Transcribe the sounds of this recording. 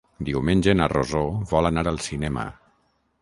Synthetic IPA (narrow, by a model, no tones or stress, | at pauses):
d̪iwmenʲʒenə̰rozoβɔlanaɾəlˠsinɛmə̰